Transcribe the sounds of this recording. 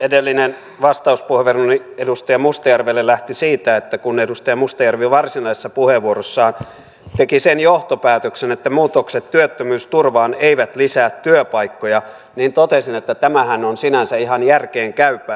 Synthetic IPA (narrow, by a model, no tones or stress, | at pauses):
edelːinen | ʋɑst̪ɑuspuheʋeruniedust̪ɑjɑmust̪ɑjærʋelːellæht̪isiːt̪æet̪ːækunedust̪ɑjɑmust̪ɑjærʋiʋɑrsinɑisesːɑpuheʋʋuorosːɑːn | t̪ekisenjoht̪opæːt̪øksenet̪ːæmuːt̪okset̪tyøt̪ːømyːst̪urʋɑːneiʋæt̪lisæːt̪tyøpɑikːojɑ | niːnt̪ot̪esinet̪ːæt̪æmæhænonsinænsæihɑnjærkeːŋkæypˑæ